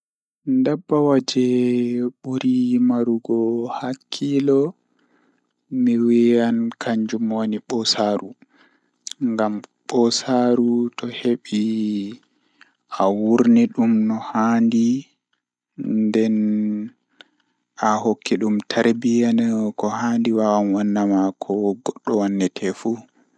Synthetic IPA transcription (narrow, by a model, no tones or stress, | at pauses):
ndabːawad͡ʒɛ | ɓuɾimaɾuɡɔhakʰːilɔ | miwiankʰaɲd͡ʒumoniɓɔsaːɾu | ŋɡamɓɔsaɾutɔheɓi | ʔawuɾniɗumnɔhandi | ndɛn | ahokʰːiɗumtʰaɾbijankɔhandiwawamwanːamakʰɔɡɔɗːɔwanːɛtʰɛfu